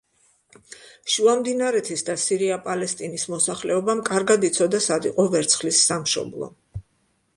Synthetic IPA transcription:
ʃuamd̪inaɾɛt̪ʰisd̪asiɾiapʼalɛst̪ʼinismɔsaχlɛɔbamkʼaɾɡad̪it̪sʰɔd̪asad̪iqʼɔvɛɾt̪sʰχlisːamʃɔ̰blˠɔ̰

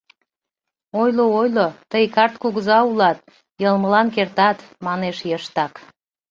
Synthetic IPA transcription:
ojloojlot̪əjkɑrt̪kuɣəzɑulɑt̪̚ | jəlməlɑnkert̪ɑt̪mɑneʃjəʃt̪ɑk

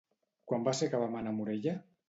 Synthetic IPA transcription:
kwambasekaβamanamuɾeʎa

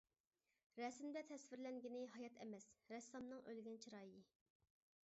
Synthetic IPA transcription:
ɾɛsmd̪ɛt̪ʰɛsvɪɾlɛŋɡʲinɪɦɑjɑt̪ʰɛmɛsɾɛsːɑmnɨŋʔølɡʲɛnt͡ʃʰiɾɑːjɪ

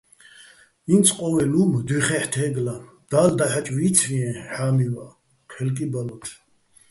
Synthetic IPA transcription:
insʰʼqʼɔwɛlumd̪wiχɛħt̪ʰɛːɡla | d̪̥aːld̪aħat͡ʃʼviːt̪t͡s̪ʰviɛ̃ħaːmiva | qʰɛlkʼibalɔt̪ʰ

